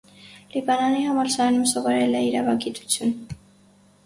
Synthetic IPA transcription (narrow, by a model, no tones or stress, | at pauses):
libɑnɑniɦɑmɑɾsɑɑnumsɔvɔɾɛlɛiɾɑvɑɡit̪u̥t͡sʰjun